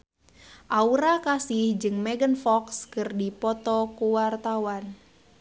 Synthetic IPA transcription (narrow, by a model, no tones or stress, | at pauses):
ʔauɾakasɪhd͡ʒɨŋmɛɡənfɔkskɨrdipɔt̪ɔkuwart̪awan